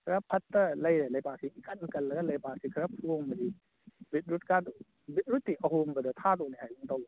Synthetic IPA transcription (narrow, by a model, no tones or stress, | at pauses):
kʰɐɾɐpʰɐtːɐlɐjɾelɐjpasiikʰɐnkɐlːɐɡɐlɐjpasikʰɐɾɐpʰuombɐdi | bit̪̚ɾut̚kad | bit̚ɾutːiʔɐɦombɐdɐt̪ʰadonihajbuŋtɐw